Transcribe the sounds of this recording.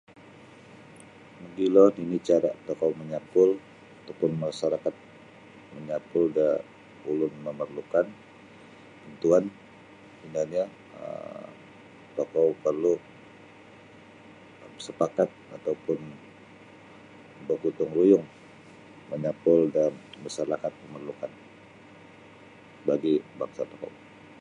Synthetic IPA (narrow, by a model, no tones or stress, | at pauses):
məɡilɔninit͡ʃaɾaʔt̪ɔkawməɲapʊl | at̪awpʊnmaasaɾakat̪̚ | məɲapʊlda | ulʊnməmərlukan | t̪ənt̪uan | minalɲa | ə̰ | t̪okawpərlu | əmsəpakat̪̚at̪awpʊn | bəkut̪ʊŋrujʊŋ | məɲapʊldanmasaɾakat̪̚pəmərlukan | baɡibaŋsat̪oka̰w